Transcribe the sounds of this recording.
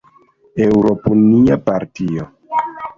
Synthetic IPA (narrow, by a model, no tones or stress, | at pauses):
ewɾopuniapaɾtio